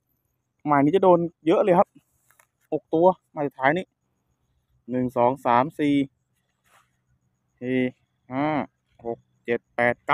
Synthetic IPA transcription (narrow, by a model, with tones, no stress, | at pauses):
maː˧˩jniː˧˥˩t͡ɕa˧˩doː˧njɤ˦˥ʔlɤː˧˩jkʰa˦˥p̚ | ho˨˩k̚t̪u˧ɐma˧˩a˧˩t̪ʰaː˩˦jniː˧˥˩ | nɯ˨˩ŋsɔː˩˦ŋsaː˩˦msiː˨˩ | siː˨˩ | haː˧˥˩ | ho˨˩k̚t͡ɕe˨˩t̪̚pɛː˨˩t̪̚ka˦˧